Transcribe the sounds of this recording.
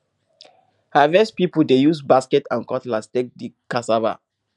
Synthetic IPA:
havɛspipuldejusbaskɛtãnkɔtlastek̚dikasava̰

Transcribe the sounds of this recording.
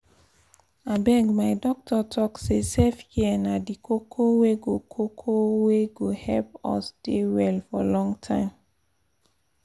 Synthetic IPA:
abɛɡmaɪdɔk̚tʰɔtʰɔksesefhiɛnadikʰokʰoweɡokʰokʰoweɡohɛlp̚ɔ̰sdewɛlfɔlɔ̃ŋtʰãɪ̃m

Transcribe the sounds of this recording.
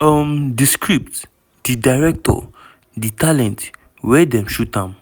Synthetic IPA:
amdiskɹip̚t | d̪̥idajɹɛk̚tʰɔ̰ | ditʰalɛ̃nt | wɛdɛ̃mʃud̚kãm

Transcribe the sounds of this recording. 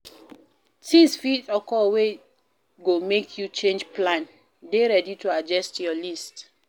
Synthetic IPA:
tĩsfitɔkɔwe | ɡomekʰjut͡ʃẽnd͡ʒplãn | deɹɛditoad͡ʒɛstjɔlist

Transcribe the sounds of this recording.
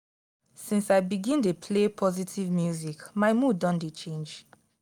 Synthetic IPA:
sĩnsaɪbiɡĩntepʰlepʰɔzitʰivmjuzikmaɪmudɔ̃ndet͡ʃẽnd͡ʒ

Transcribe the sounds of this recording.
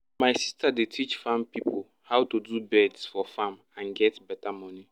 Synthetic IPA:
maɪsistadetʰit͡ʃfãmpipʰo | hawtudubɛdsfɔfãm | ãnɡɛtbɛtamɔni

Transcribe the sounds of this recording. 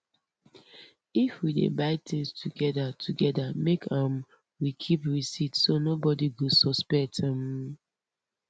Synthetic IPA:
ifwidḛbaɪtĩŋstʰuɡɛdatʰuɡɛdamekʰãm | wikʰipɹisitsonobɔdiɡusɔspɛk̚tãm

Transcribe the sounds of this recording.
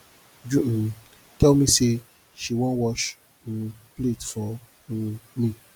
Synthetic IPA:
d͡ʒu | tɛlmĩse | ʃiwɔ̃nwɔʃ̩ | pletfɔ̃ | mĩ

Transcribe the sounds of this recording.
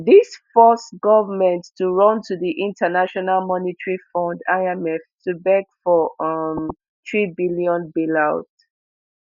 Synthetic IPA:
ðisfɔsɡɔvəmɛ̃ntːuɹɔ̃ntʰuðiʔĩntʰənaʃɔnalmɔnitɹifɔ̃ndaɪɛmɛftʰubɛɡfɔʌm | θɹibiliɔ̃nbilaʊt

